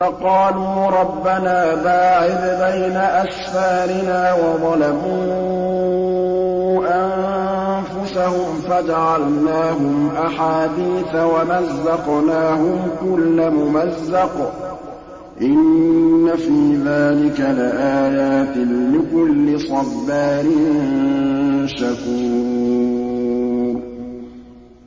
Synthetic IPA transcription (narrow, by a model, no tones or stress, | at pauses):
fɑqɑːluːɾˤɑbːanaːbaːʕɪd̪bajnaʔasfaːɾɪnaːwɑd̪ˤɑlamuː | ʔam | fʊsahʊmfad͡ʒaʕalnaːɦʊmʔaħaːd̪iːθawamazːɑqnaːhʊmkʊlːamʊmazːɑq | ʔɪnːafiːðaːlɪkalɪʔaːjaːt̪ɪlɪkʊlːɪsˤɑbːaːɾɪnn | ʃakuː | ɾ